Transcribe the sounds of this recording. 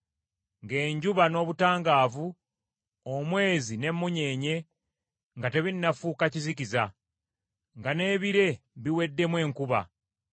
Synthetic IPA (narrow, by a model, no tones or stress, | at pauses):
ŋɡe̞ːɲɟuβano̞ːβutaːŋɡaːvu | omwe̞ːzine̞mːuɲe̞ːɲe̞ | ŋɡate̞βinnːafuːkacizikiza | ŋɡane̞ːβiɾe̞βiwe̞dːe̞mwe̞ːŋkuβa̰